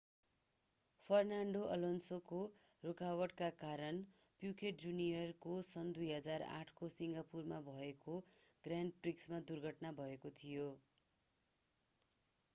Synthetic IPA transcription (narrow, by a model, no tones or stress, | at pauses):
pʰʌrnaɳɖoʔʌ̰lonsoko | rokawʌɽkakaɾʌn | pjukeʈ̚d͡zunijʌrkosʌnd̪ujɦʌd͡zara̰ʈʰkosiŋɡapurmabʱʌekoɡraɳɖ̚priksmad̪urɡʱʌʈnabʱʌekot̪ʰijo